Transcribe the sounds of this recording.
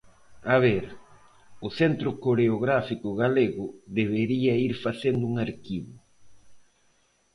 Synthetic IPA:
aβ̞eɾ | ʊθent̪ɾʊkoɾeoɣɾafikʊɣaleɣʊðeβeɾiɐiɾfaθend̪ʊuŋaɾkiβʊ

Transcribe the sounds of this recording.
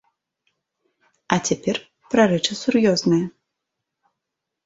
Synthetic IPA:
ɐt͡sʲapʲɛr | pɾɐɾɛt͡ʂɨsurjɔznɨjɐ

